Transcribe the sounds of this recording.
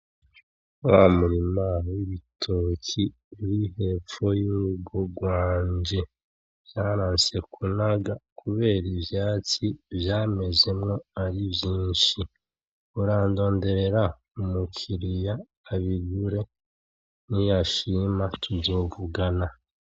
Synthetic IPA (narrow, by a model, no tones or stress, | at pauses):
wamuɾimawiβitʰoki | uɾihe̞ːp͡fo̞juuɡoɡwaːɲd͡ʒe̞ | jaːɾaːnse̞kʰunaɡakʰuβe̞ːɾivjaːt͡sivjaːme̞ze̞mŋo̞aɾibjiːnʃi | uɾaːndo̞ːnde̞ɾe̞ɾa | umukʰiɾijaː | βiɡuɾe̞ | nijaʃiːmatʰuzo̞ːvuɡana